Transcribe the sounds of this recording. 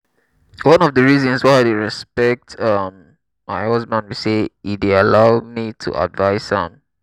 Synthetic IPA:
wʌ̃nɔvdəɹizɔ̃nswaɪaɪdeɹɛspɛk̚tʌmː | aɪhʌzbãndwiseidealaʊmitʰṵʔa̰dvaɪsã̰m

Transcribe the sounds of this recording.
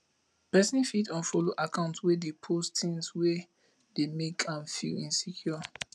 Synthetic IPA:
pɛsĩfitɔ̃nfɔloʔakʰãʊ̃ntwedepʰostʰĩnswe | demekʰãmfḭĩnsikʰjɔ

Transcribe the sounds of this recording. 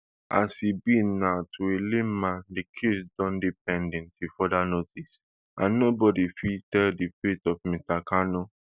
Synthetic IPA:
a̰sibĩnatʰuelemãndikʰesdɔ̃ndip̚ɛ̃ndɛ̃ntifɔdanotis | ã̰nnobɔdifitɛldifetɔfmĩstakʰanɔ

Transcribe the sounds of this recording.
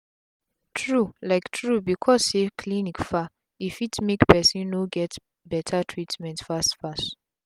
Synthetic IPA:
tʰɹulaɪktʰɹubikʰɔsekʰlinikfa | ifitmekpɛsĩnnoɡɛt | bɛtʰatʰɹitmɛ̃ntfastfast

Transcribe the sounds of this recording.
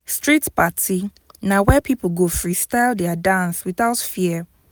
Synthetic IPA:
stɹitpatʰi | nawɛpʰipl̩ˠɡofɹistaɪldɛadãnswiθaʊtfiə

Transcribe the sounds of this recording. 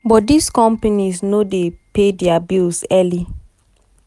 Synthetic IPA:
bɔdiskɔ̃mpaniznodepedɛabilsɛli

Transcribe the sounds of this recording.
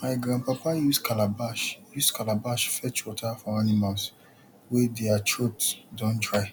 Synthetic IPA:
maɪɡɹãnpapajuskalabaʃjuskalabaʃfɛt͡ʃwɔtʰafɔ̃animals | wedeat͡ʃʰɹotdɔ̃ntɹaɪ

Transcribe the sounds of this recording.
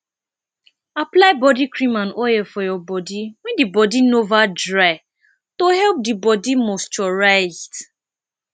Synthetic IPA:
aplaɪbɔdikɹĩmãnojɛfɔjɔbɔdiwɛ̃ndibɔdinovadɹaɪ | tohɛlp̚dibɔdimost͡ʃɔɹaɪzd

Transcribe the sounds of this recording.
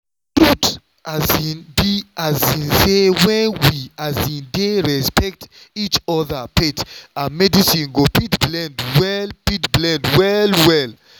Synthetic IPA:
tɾut | azĩnbiazĩnsewɛ̃nwiazĩndeɹɛspɛk̚tit͡ʃɔðapʰetamɛdisĩnɡopitblɛ̃ndwɛlpitblɛ̃ndwɛlwɛl

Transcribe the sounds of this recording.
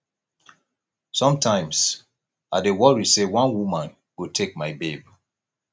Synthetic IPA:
sɔ̃mtʰãɪ̃ms | adewɔɹisewɔ̃nwumãn | ɡ̥otʰek̚maɪbeb

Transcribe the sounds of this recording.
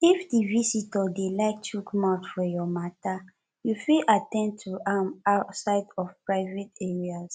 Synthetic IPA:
ifdivisitɔdelaɪk̚tʰukɔmaʊtfɔjɔmata | jufiʔatɛ̃nd̚tʰuʔamaʊtsaɪdɔvpɹaɪvetɛɹiaz

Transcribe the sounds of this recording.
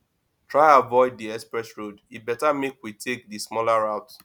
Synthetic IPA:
tʰɹaɪavɔɪddiɛspɹɛsɹoditbɛtamekwitʰek̚dismɔlaɹaʊt

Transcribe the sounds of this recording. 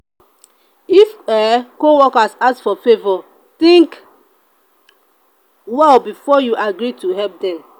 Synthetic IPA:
ifɛkowɔkasasfɔfevɔ | t̪ĩŋk | wɛlbifɔjuʔaɡɾituɦɛp̚dɛ̃m

